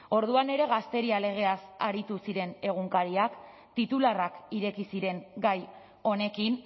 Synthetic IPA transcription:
o̞ɾðuane̞ɾe̞ɣ̞ast̪e̞ɾiale̞ɣ̞e̞asaɾit̪usiɾe̞ne̞ɣ̞uŋkaɾiak | t̪it̪ularakiɾe̞kisiɾe̞ŋɡaj | o̞ne̞kin

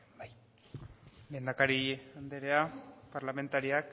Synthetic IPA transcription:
j | le̞ːnd̪akaɾiand̪eɾeapaɾlame̞nt̪aɾiak

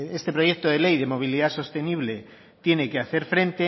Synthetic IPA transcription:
est̪e̞pɾo̞ʝe̞k̚t̪oð̞e̞le̞jðe̞mo̞β̞iliðaso̞st̪e̞niβ̞le̞ | t̪je̞ne̞keaθe̞ɾfɾe̞nt̪e

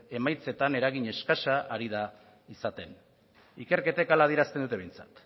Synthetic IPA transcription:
e̞majt͡se̞t̪ane̞ɾaɣiɲe̞skasaʔːɾið̞a | isat̪e̞n | ike̞ɾke̞t̪aekalað̞iɾast̪end̪ut̪e̞βejnt͡sḁ̰t̪

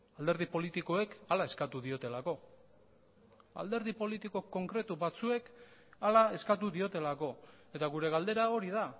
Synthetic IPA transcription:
ald̪e̞ɾð̞ipo̞lit̪iko̞e̞kalae̞skat̪uðio̞t̪e̞lako̞ | a̰ld̪e̞ɾðipo̞lit̪iko̞ko̞ŋkɾe̞t̪uβat͡sue̞kalae̞skat̪̬uðio̞t̪e̞lako̞e̞t̪aɣuɾe̞ɣ̞ald̪e̞ɾao̞ɾiða

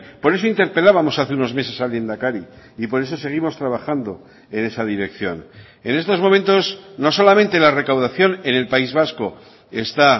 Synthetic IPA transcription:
po̞ɾe̞so̞int̪e̞ɾpe̞laβamo̞saθe̞uno̞zme̞se̞salje̞nd̪akaɾi | ipo̞ɾe̞s̬o̞se̞ɣ̞imo̞st̪ɾaβaxand̪o̞ | e̞ne̞saðiɾe̞kθjo̞̰n | e̞̰ne̞st̪o̞zmomẽ̞nt̪o̞sno̞so̞lamẽ̞nt̪e̞lare̞kawðaθjo̞ne̞ne̞lpaizβ̞asko̞ | e̞st̪a

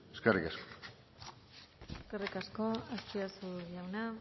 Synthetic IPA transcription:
eskerikasko̥ | eskerikasko̞ast͡ʃiasuʎawna

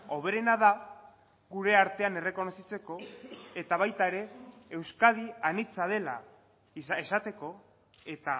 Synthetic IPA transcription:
o̞β̞e̞ɾe̞nað̞a | ɣuɾe̞aɾt̪e̞ane̞re̞ko̞no̞sit͡se̞ko̞e̞t̪aβ̞ajt̪aeɾe̞ewskaðianit͡sað̞e̞la̰ | isaesat̪e̞ko̞ | e̞t̪a

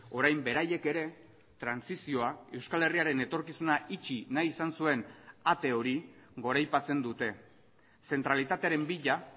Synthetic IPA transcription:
o̞ɾajmbe̞ɾaje̞ke̞ɾe̞ | t̪ɾansisio̞ae̞wskale̞riaɾe̞ne̞t̪o̞ɾkisunait͡ʃinajisansue̞nat̪e̞o̞ɾiɡo̞ɾajpat͡se̞nd̪ut̪e̞ | se̞nt̪ɾalit̪at̪e̞aɾe̞mbiʎa

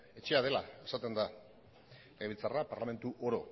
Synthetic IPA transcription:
e̞t͡ʃe̞að̞e̞lae̞sat̪e̞nd̪a | leɣilt͡sarapaɾlame̞nt̪uʔo̞ɾo̞̰

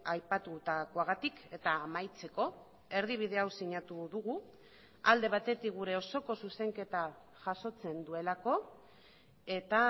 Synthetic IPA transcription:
ajpat̪ut̪ako̞aɣat̪ike̞t̪aːmajt͡se̞ko̞ | e̞ɾðiβ̞ið̞e̞awsiɲat̪uðuɣu | ald̪e̞β̞at̪e̞t̪ik̚ɡuɾe̞o̞so̞ko̞suse̞ŋke̞t̪a | ʝaso̞t͡se̞nd̪ue̞lako̞ | e̞t̪a

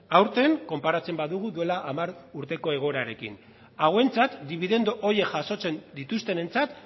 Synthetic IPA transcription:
awɾt̪e̞ŋko̞mpaɾat͡se̞mbaðuɣ̞uðue̞laʔamaɾuɾt̪e̞ko̞e̞ɣ̞o̞ɾaɾe̞kḭn | aɣwe̞nt͡sat̪d̪iβ̞iðe̞nd̪oʔoɾje̞kʝaso̞t͡se̞nd̪it̪ust̪e̞ne̞nt͡sat̪

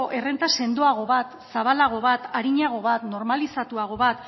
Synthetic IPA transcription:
ʔe̞re̞nt̪ase̞nd̪oaɣ̞o̞βat̪saβalaɣ̞o̞βat̪aɾiɲaɣ̞o̞βat̪no̞ɾmalisat̪uaɣ̞o̞βat̪

